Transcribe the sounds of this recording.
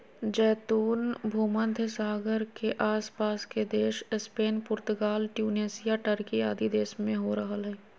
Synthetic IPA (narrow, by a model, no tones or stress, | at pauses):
d͡ʒɛːt̪uːnbʱuːmənd̪ʱəsaːɡəɾkeʔaːspaːsked̪eːʃɪspeːnpʊɾt̪ʊɡaːlʈjuːneːsɪjaʈəɾkiaːd̪id̪eːsmẽɦoɾəɦəlɦɛː